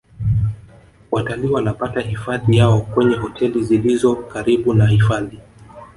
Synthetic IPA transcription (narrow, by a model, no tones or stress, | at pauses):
wataliːwanapatahifaðijaɔkwɛɲɛɦɔtʰɛlizilizɔkaɾiɓunahifaði